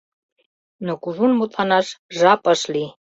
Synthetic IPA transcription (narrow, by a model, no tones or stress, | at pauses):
nə̆kuʒunmut̪ʰʼɑnɑʃʒɑpəʃli